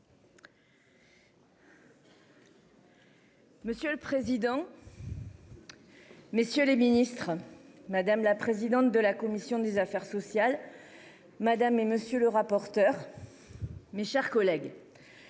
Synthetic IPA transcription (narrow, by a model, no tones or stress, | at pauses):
məsjøləpχezid̪ɑ̃ | mesjøleminist̪χmad̪amlapχezid̪ɑ̃t̪̚d̪əlakɔmisjɔ̃d̪ezafɛʁsɔsjal | mad̪ameməsjøləʁapɔʁt̪œʁ | meʃɛʁkɔlɛɡ